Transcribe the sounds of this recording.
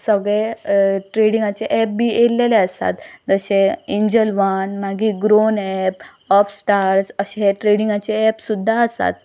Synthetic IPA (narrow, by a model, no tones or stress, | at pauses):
səɡɭeʈɾeɽĩŋɡat͡ɕeʔɛp̚biːʔelːeleəsa̰t̪d͡zəɕeiɲd͡ʑəlʋanmaɡiːɡɾonɛp | ɔfsʈaɾsəɕeɦeʈɾeɽiŋɡat͡ɕeɛpsud̪ʱːaəsa̰t̪